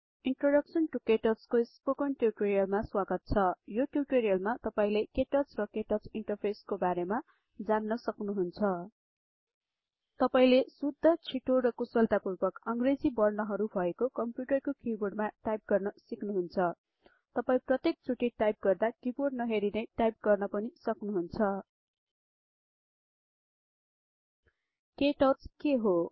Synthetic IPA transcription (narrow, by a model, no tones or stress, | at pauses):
iɳʈroɖʌksʌnʈukeʈʌrskospokʌnʈjuʈoɾijʌlmaswaɡʌt̪̚t͡sʰʌjoʈjuʈoɾijʌlmat̪ʌpaĩlekeʈʌsrʌkeʈʌt͡siɳʈʌrpʰeskobaɾema | d͡zanːʌsʌknuɦunt͡sʰʌ | t̪ʌpaĩlesud̪ʱːʌt͡sʰiʈorʌkusʌlt̪apurbʌkʌŋɡred͡zibʌrnʌɦʌɾubʱʌekokʌmpjuʈʌrkokiboɖmaʈajp̚ɡʌrnʌsiknuɦunt͡sʰʌ | t̪ʌpaĩprʌt̪jek̚t͡sʰuʈiʈajp̚ɡʌrd̪akiboɖnʌɦeɾinʌjʈajp̚ɡʌrnʌpʌnisʌknuɦunt͡sʰʌ | keʈʌt͡skeɦo